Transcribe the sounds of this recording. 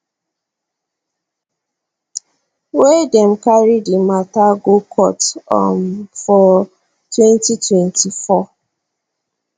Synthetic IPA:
wedɛmkaɹidimataɡokʰɔtɔ̰mfɔ | twɛ̃ntitwɛ̃ntʰifɔ

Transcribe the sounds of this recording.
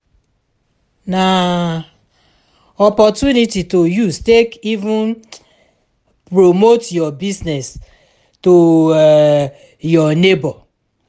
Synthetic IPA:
na | ɔpɔtjunititojustekivũn | pɾomotjɔbiznɛs | to | jɔnebɔ

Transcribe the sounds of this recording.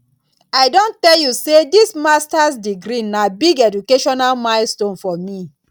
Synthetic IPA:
aɪdõntɛljusedismastasdiɡɾinabiɡɛd͡ʒukeʃɔnalmãɪlstõnfɔmi

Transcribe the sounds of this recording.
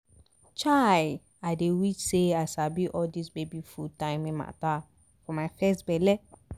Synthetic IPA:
t͡ʃa | aɪdewit͡ʃseaɪsabiʔɔldisbebifutãɪ̃mĩnma̰ta | fɔmajfɛstbɛlɛ

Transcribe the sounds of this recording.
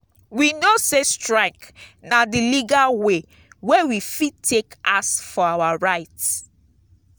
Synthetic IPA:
winosestɹaɪknadiliɡalwe | wewifitʰːekasfɔawaɹaɪts

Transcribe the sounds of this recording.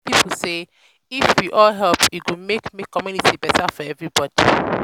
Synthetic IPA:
pip̩ʰse | ifwiʔɔlɦɛlpjuwumekmikɔmjunitibɛtʰafɔɛvɹibɔdi

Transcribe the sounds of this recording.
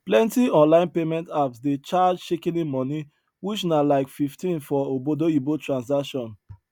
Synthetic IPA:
plɛ̃ntiɔ̃nlãɪ̃npemɛ̃ntapsdet͡ʃad͡ʒʃekĩnĩmɔni | wit͡ʃnalaɪkfiftĩnfɔobodoibotɹãnsakʃɔ̃n

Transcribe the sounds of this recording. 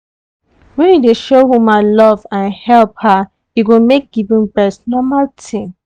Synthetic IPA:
wɛ̃njudeʃowumalɔvãnhɛlpha | jiɡomek̚ɡ̥ivĩmbɛsnɔmaltʰĩm

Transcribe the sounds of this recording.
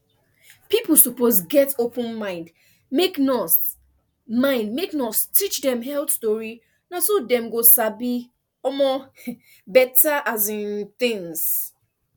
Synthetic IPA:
pipl̩ˠsupozɡɛtopə̃nmãɪ̃nd | meknɔs | mãɪ̃ndmeknɔstit͡ʃdɛ̃mɦɛlstoɹi | nasodɛ̃mɡosabi | ɔmɔ | bɛtaʔazɪ̃nθɪ̃ŋs

